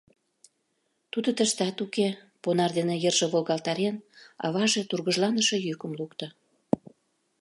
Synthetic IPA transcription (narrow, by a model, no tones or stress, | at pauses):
t̪ud̪ə̆t̪ə̆ʃt̪ɑt̪uke | ponɑrd̪enejərʒĕβolɣɑlt̪ɑɾenɑ̰βɑʒet̪urɣəʒlɑnəʃɤ̆jykə̆mlukt̪ɤ̆